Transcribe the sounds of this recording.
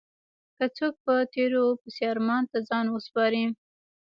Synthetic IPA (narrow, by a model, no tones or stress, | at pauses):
kat͡sok̚pət̪eɾopəsjɑɾmɑnt̪azɑnwəspɑɾi